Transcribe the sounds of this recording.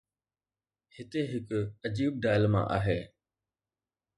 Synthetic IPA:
hɪt̪eɦɪkəd͡ʑiːb̚ɖaːɪlmã̰ʔa̰ːɦeː

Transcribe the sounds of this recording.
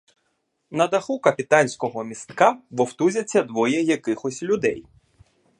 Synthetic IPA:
nɐd̪ɐxukɐpʲit̪ɑnʲsʲkɔɦɔmʲist̪kɑʋɔwt̪uzʲɐt͡sʲːɐd̪ʋɔjɛjɐkɪxɔsʲlʲʊd̪ɛj

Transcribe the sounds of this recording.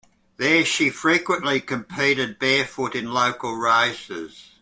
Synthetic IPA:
ðəʃifɹiˑkwə̃nʔlikʰə̃mpʰiˑɾɪd̚bɛɹfʊɾɪ̃nloʊkəlˠɹaɪsɪ̰z̥

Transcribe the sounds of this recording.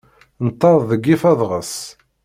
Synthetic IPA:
nt̪ːɑðˤðəɡːifæðˤʁəs

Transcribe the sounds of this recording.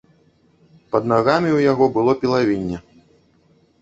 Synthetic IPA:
pɐd̪naɣamʲiwjaɣɔbɨlˠɔpʲilˠavʲinʲːɛ

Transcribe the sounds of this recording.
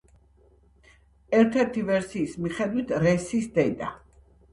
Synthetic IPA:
ɛɾt̪ʰɛɾt̪ʰivɛɾsiːsmiχɛd̪wit̪ʰɾɛsisd̪ɛd̪a

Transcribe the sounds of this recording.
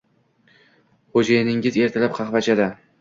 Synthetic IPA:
χod͡ʒajnɪŋɪze̞ɾt̪ʰalap̚qʰɑχvat͡ʃʰad̪a

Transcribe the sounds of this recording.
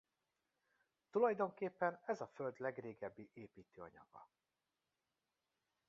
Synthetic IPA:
t̪ulɒjd̪o̞ŋkeːpːɛnɛzɒføld̪lɛɡreːɡɛbːiʔeːpiːt̪øːɒ̰ɲɒ̰ɡ̥ɒ̰

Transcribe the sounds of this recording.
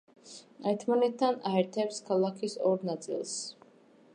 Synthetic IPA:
ɛɾt̪ʰmanɛt̪ʰːanaɛɾt̪ʰɛpskʰalˠakʰisɔɾnat̪sʼḭlˠs

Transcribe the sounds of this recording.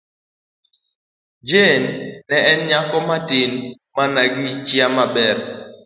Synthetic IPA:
d͡ʒenːɛɛnɲakɔmatin | manaɡit͡ʃjamabɛr

